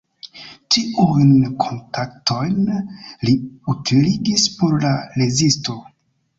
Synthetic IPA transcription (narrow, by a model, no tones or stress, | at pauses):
t͡ʃiujnkʰo̞ntʰaktʰo̞jnliutʰiliɡispo̞ɾlalezisto̞